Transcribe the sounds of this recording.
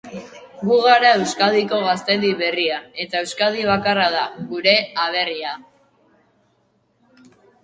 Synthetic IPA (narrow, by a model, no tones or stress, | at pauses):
ɡuɣaɾae̞wskaðiko̞ɣast̪eliβe̞riae̞t̪ae̞wskað̞iβ̞akarað̞aɣuɾe̞aβ̞e̞ria